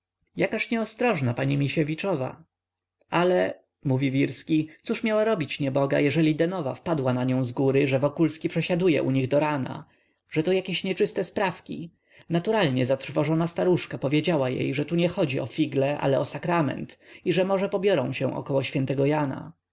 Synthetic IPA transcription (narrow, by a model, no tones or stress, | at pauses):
jakaɕɲɛɔst̪ɾɔʐnapaɲimʲiɕɛvʲit͡ʂɔva̰ | alɛ | muvʲivʲiɾskʲit̪suʂmʲjawaɾɔbʲit͡ɕɲɛbɔɡa̰jɛʐɛlʲid̪ɛnɔva̰fpad̪wanaɲɔ̃w̃zɡuɾɘʐɛvɔkulskʲipʂɛɕad̪ujɛ̰ʔuɲiɣd̪ɔɾana̰ | ʐ̥ɛt̪ɔjakʲeɕɲɛt͡ʂɘst̪ɛspɾafkʲi | nat̪uɾalɲɛzat̪ɾ̥fɔʐɔnast̪aɾuʂkapɔvʲjed͡ʑawajḛjʐɛt̪uɲɛxɔd͡ʑiɔfʲiɡlɛʔa̰lɛɔsakɾamɛ̰nt̪iʐɛmɔʐɛpɔbʲjɔɾɔ̃w̃ɕɛ̃w̃ʔɔ̰kɔwɔɕfʲjɛnt̪ɛɡɔjana̰